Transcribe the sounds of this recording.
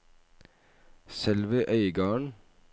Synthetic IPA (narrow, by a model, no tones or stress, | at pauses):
sɛlʋəʔœʏɡɑːɳ